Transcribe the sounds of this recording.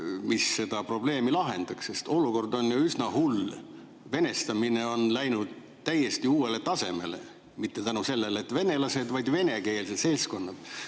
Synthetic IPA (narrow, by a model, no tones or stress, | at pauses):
misːe̞d̪̥ɑpro̞ble̞ːmilɑɦend̪̥ɑksse̞st̪o̞luko̞rd̪o̞njuysnɑhul | ve̞ne̞st̪ɑmineo̞nlæjnud̪̥̚ | t̪ːæje̞st̪iuːe̞le̞t̪ɑse̞me̞le̞̰ | mit̪ːe̞t̪ænuse̞lːe̞let̪ːˑve̞ne̞lɑse̞d̪vɑjd̪̥ve̞ne̞ke̞ːlsed̪se̞lsko̞nːɑd̪̥